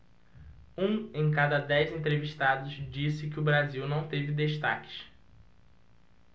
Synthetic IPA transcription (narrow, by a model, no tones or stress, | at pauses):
ũẽj̃kad̪ɐd̪ɛjzẽnt̪ɾeviʃt̪ad̪ʊzd͡ʒisɪkɪʊbɾaziwnɐ̃w̃t̪evɪd̪eʃt̪a̰kɪ̥ʃ